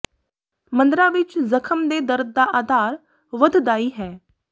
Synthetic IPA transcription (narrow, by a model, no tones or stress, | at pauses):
mə̃nd̪ɾãːʋɪt͡ʃzəkʰəmd̪eːd̪əɾd̪̚ːaːʔaːd̪ʱaːɾ | ʋəd̪ʱd̪aːiːɦɛː